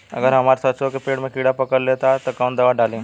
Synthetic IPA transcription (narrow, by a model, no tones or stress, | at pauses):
ɐ̰ɡəɾɦɐmaːɾsət̪ːsokepeːɽmẽkiːɽapɐkəɽlet̪at̪okaw̃nd̪əʋaɖaːlẽː